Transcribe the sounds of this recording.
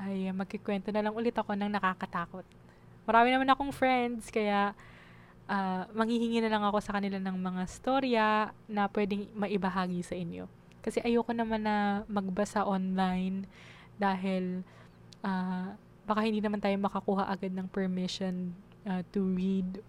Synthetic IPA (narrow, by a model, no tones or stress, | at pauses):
ʔajamɐɡ̚kɪkwɛnt̪onɐlɐŋʔʊlɪt̪ɐko̞nɐŋnɐkakɐt̪aːko̞t̪̚ | mɐɾaːmɪnɐmanɐko̞ŋfɾɛnd̪skɐjaʔ | ʔaːmɐŋhihɪŋiːnɐlɐŋɐko̞sɐkɐnɪlanɐŋmɐŋaɪst̪oɾjɐnɐpwɛːd̪ɪŋmɐʔɪbɐɦaːɡisɐʔɪnjo̞̰ | kɐsɛʔɐjoːkonɐmanːɐmɐɡ̚bɐsaʔonlajn | d̪aːɦɪl | ʔaː | bɐkahɪnd̪iːnɐmant̪aːjo̞mɐkɐkuːɦɐʔɐɡad̪nɐŋpɛɹmɪʃon | ʔat̪ʊɹid̪̚